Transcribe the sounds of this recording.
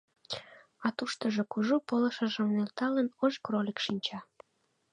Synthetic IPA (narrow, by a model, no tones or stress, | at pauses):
ɑt̪uʃt̪əʒokuʒupoləʃə̆ʒə̆mnelt̪ɑlənoʒkrolʲikʃinʲt͡ɕɑ